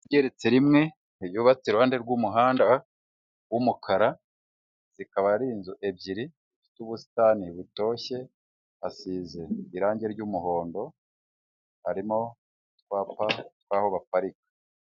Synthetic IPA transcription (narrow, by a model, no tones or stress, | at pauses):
ɟe̞ɾet͡se̞ɾimŋe̞ | niβjuːβat͡siɾohaːnde̞ɾɡumuɦaːnda | wumukʰaɾa | zikaβaɾiːnzuʔe̞bɟiɾizifi̥tuβusi̥taniβuto̞ːçe̞ | asiːze̞iɾaːɲɟe̞ɾɟuːmuɦo̞ːndo̞ | haɾimo̞ | tkwaːpatwaːho̞βafaɾikḁ